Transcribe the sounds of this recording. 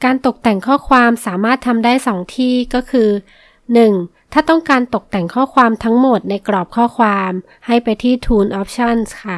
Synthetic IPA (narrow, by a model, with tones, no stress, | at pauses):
kaː˧nt̪o˨˩k̚t̪ɛ˨˩ŋkʰɔː˥˩kʰwaː˧msaː˩˦maː˥˩t̪ʰːa˧mdaː˥˩jsɔː˩˦ŋt̪ʰiː˥˩kɔː˥˩kʰɯː˧ | nɯ˨˩ŋt̪ʰaː˥˩t̪ɔ˥˩ŋkaː˧nt̪o˨˩k̚t̪ɛ˨˩ŋkʰɔː˥˩kʰwaː˧mt̪ʰa˦˥ŋmo˨˩t̪̚na˧jkɾɔː˨˩p̚kʰɔː˥˩kʰwaː˧m | ha˥˩jpa˧jt̪ʰiː˥˩t̪ʰuː˧nʔɔː˦˥p̚t͡ɕʰɔ˥˩nskʰa˥˩